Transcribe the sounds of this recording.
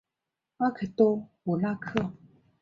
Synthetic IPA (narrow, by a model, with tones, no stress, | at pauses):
a˦kʰe˨t̪o˦wo˨la˦kʰə˦a˨